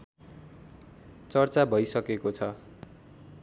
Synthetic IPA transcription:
t͡sʌrt͡sabʱʌjsʌkekot͡sʰʌ

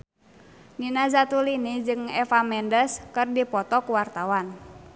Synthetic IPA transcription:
ninazat̪ulinid͡ʒɨŋɛfamɛndəskɨrdipɔt̪ɔkuwart̪awan

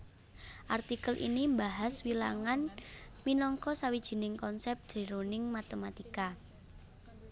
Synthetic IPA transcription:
ʔart̪ikəlʔḭnimbaɦaswila̰ŋanminɔŋkɔsawid̥ʒ̥i̤nɪŋkɔnsɛp̚d̪̥e̤ɾonɪŋmat̪emat̪ika

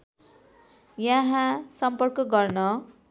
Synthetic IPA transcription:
jaɦãsʌmpʌrkʌɡʌrnʌ

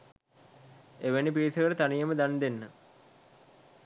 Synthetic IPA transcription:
eʋenip̬iːit̪ʰəɐɾət̪anijɐməd̪and̪enːə

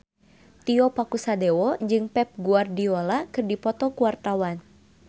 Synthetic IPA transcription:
t̪iɔpakusadɛwɔd͡ʒɨŋpɛp̚ɡuardiɔlakɨrdipɔt̪ɔkuwart̪awan

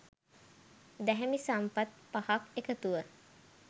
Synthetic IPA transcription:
d̪ɛɦɛmisampat̪̚pahakekət̪uʋə

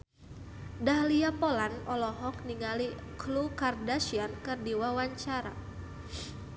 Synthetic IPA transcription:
dahliapolanɔlɔɦɔk̚niŋali | klukardaʃiankɨrdiwawaɲt͡ʃaɾa̰

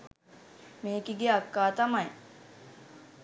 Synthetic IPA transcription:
meːkiɡeakːaːt̪amaj

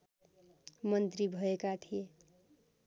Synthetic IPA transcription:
mʌnt̪ɾibʱʌekat̪ʰije

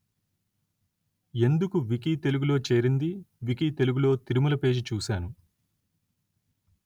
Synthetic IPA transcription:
e̞nd̪ukuʋik̬it̪e̞luɡulo̞ːt͡ʃe̞ːɾind̪iʋikit̪e̞luɡulo̞ːt̪iɾimulɐpe̞ːd͡ʒit͡ʃuːsaːnu

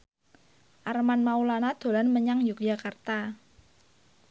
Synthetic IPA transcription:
ʔarmanmaulanad̪̥o̤lanməɲaŋjuk̚jakart̪a

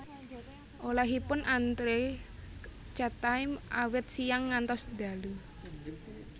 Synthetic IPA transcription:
ʔolaɦipʊnʔant̪ɾe | t͡ʃat̪aɪmʔawɪt̪̚sijaŋːant̪ɔsd̪̥a̤lu

